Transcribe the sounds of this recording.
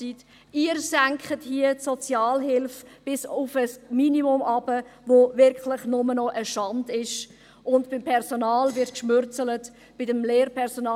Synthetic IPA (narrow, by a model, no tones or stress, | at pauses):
sit | iːəɾsæŋkχəthiətsɔt͡sjɑːlɦɪlfb̥ɪsʊfəsminiʊmɑb̥əvovɪɾklɪχnʊmənɔʔəʃɑndɪʃ | ʔʊndb̥ɪmpʰɛɾsonɑːlvɪrtkʃmʏɾt͡sələt | b̥ɪdəmleːɾpʰɛɾsonɑː